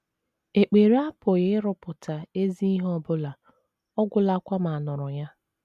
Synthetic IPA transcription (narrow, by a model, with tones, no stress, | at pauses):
e˨k͡pe˨ɾa˦pʊ˨ɣɪ˦ɾʊ˦pʊ˨tʰa˨e˦zi˦i˦ɦɔ˦˨bʊ˦la˨ | ɔ˦ɡʷʊ˨la˨˦kʷa˦ma˨nʊ˨ɾʊ˨ja˦